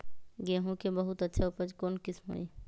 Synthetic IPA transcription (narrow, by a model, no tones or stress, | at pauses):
ɡeːɦũkebəɦʊt̪ətːʃʰaʊpəd͡ʒkoːnkɪsmo̰i